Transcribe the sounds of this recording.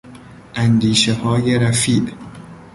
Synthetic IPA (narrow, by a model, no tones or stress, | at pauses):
ʔænd̪iːʃehɒːjeɾæfiːʔ